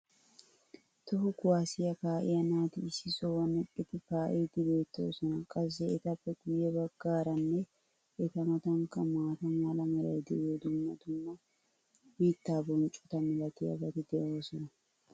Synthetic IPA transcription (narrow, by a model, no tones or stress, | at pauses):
t̪ɔɦʊkʊwaːsɪjɐkaːʔɪ̰jɐnaːt̪ɪɪsɪsowɐnɛkʼːɪt̪ɪkaːʔejd̪ɪbeːt̪ːo̰ːsɔnɐkʼɐzːɛɛt̪ɐpːɛɡʊjɛbɐɡːaːɾɐnːɛ | ʔɛt̪ɐmɐt̪ɐŋkɐmaːt̪ɐmalɐmɛɾɐ̰jd̪ɛʔɛd̪ʊmːɐt̪ʊmːɐ | miːt̪ːaːbɔnt͡ʃʼʊ̥t̪ɐmɛlɐt̪ɪjɐ̰bɐt̪ɪd̪ɛʔoːsɔnɐ